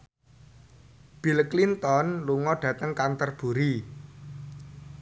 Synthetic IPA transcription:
b̥i̤lklint̪ɔnluŋɔɖ̥ä̤t̪əŋkant̪ərb̥ṳɾi

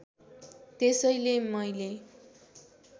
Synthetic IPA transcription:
t̪esʌjlemʌjle

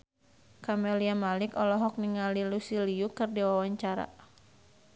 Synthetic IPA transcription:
kamɛliamalikɔlɔɦɔk̚niŋalilusiliukɨrdiwawaɲt͡ʃaɾa̰

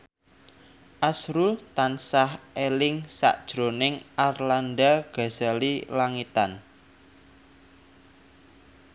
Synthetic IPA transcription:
ʔasɾult̪ansahelɪŋsa̰ʔd̥ʒ̥ɾo̤nɪŋʔarlandaɡ̥a̤z̥alilaŋit̪an

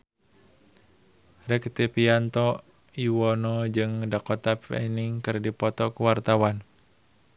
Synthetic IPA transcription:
rɛkt̪epiant̪ɔ | iwɔnɔd͡ʒɨŋdakɔt̪apɛ̰niŋkɨrdipɔt̪ɔkuwart̪awan

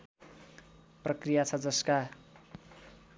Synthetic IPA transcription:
prʌkrijat͡sʰʌd͡zʌska

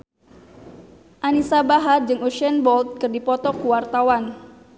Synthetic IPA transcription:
ʔanisabaɦard͡ʒɨŋuʃɛnbɔlt̪̚kɨrdipɔt̪ɔkuwart̪awan

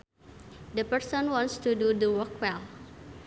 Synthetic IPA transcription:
dəpɛɾsɔ̃nwɔ̃nst̪ududəwɔkwɛl

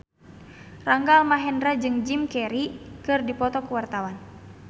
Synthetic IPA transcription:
raŋɡalmaɦɛndɾad͡ʒɨŋd͡ʒimkɛɾikɨrdipɔt̪ɔkəwart̪awan

